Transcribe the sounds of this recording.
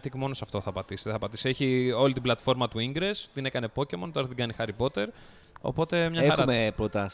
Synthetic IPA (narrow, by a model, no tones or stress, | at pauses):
t̪ikmo̞no̞sɐft̪o̞θɐpɐt̪ist̪eθɐpɐt̪i̥sieçio̞lit̪iblɐt̪fo̞ɾmɐt̪uiŋɡɾe̞st̪ine̞kɐne̞po̞cemont̪oɐɾɐt̪iɡɐnixɐɾipo̞t̪e̞ɾ | o̞̰po̞t̪e̞mɲɐeɐuɐmepɾot̪ɐs